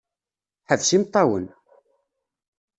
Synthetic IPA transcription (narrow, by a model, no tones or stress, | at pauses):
ħəðsimt̪ˤːɑwən